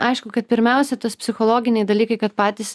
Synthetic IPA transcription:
ɐɪʃkʊkɐt̪̚pʲɪɾʲmʲɛˑʊsʲɛt̪ɐspʲsʲɪxɔlˠoːɡʲɪnʲɛɪd̪ɐlʲiːkɐɪkɐt̪pɑːt̪ʲiːs

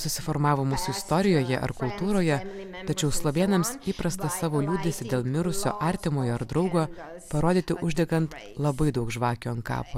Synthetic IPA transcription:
sʊsʲɪfɔɾmɑːʋomʊsʊɪst̪ɔɾʲɪjoːjɛʔɐ̰ɾkʊlˠt̪uːɾoːjɛ | t̪ɐt͡ʃʲɛʊslˠoʋʲeːnɐmsiːpɾɐst̪ɐsɑːʋoːlʲuːd̪ʲesʲɪd̪ʲeːlˠmʲɪɾʊsʲo̰ːʔɐɾʲt̪ʲɪmoːjoːɐɾd̪ɾɒʊɡoːpɐɾoːd̪ʲiːt̪ʲɪʔʊʒʲd̪ʲɛɡɐnt̪ | lˠɐbɐɪd̪ɐʊkʒʋɑːkʲoːɐnkɑ̰ːpo

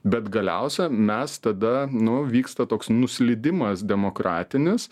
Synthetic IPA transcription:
bʲɛt̪ɡɐlʲɛ̰ʊsʲɛmʲɛst̪ɐd̪ɐnʊʋʲiːkst̪ɐt̪oːksnʊsʲlʲɪd̪ʲɪmɐsd̪ʲɛmoːkɾɑːt̪ʲɪnʲɪs

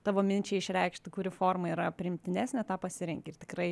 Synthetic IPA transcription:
t̪ɑːʋoːmʲɪnʲt͡ʃʲɛɪʃʲɾʲɛɪkʃt̪okʲuːɾʲɪfoːrmɐiɾɐpʲɾʲɪɪmʲt̪ʲɪnʲæːsʲnʲɛt̪ɑːpɐsʲɪɾʲɛŋʲkʲɪɪrt̪ʲɪkrɐɪ

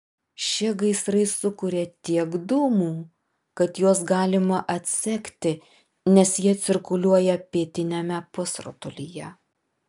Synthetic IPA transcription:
ʃʲiɛɡɐɪsɾɐɪsʊkʊɾʲet̪ʲiɛɡd̪ʊːmuː | kɐt̪juɔs̬ɡɑːlʲɪmɐʔɐt̪ʲsʲɛkʲt̪ʲɪ | nʲɛsjiɛt̪sʲɪɾkʊlʲuɔjɛpʲiːt̪ʲɪnʲɛmʲɛpʊsɾʊ̰t̪ʊlʲijɛ

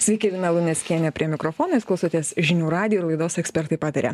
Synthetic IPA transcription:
sʲʋʲikʲɛʋʲɪnɐlˠʊnʲɛsʲkʲiɛnʲɛpʲɾʲiɛmʲɪkɾofoːnɐɪsklˠɐʊsoːt̪ʲiɛsʒʲɪnʲuːɾɑːd̪ʲɪjoɪɾlˠɐɪd̪oːsɛksʲpʲɛɾt̪ɐɪpɑːt̪ɐɾʲḛ

